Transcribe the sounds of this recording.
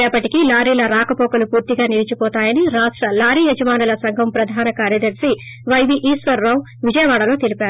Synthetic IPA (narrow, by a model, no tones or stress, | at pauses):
ɛːpːɐʈikilaːɾiːlɐɾaːkɐpɔːkɐlupuːɾt̪iɡaːniːɾit͡ʃupɔːt̪aːjɐniɾaːʂʈɾɐlaːɾiːed͡ʒɐmaːnɐlɐsɐŋɡʱɐmpɾɐd̪ʱaːnɐkaːɾjɐd̪ɐɾsi | ʋɐjʋiʔiːsʋɐɾːɐw | ʋid͡ʒɐjɐʋaːɽɐlo̞ːt̪elipaːɾu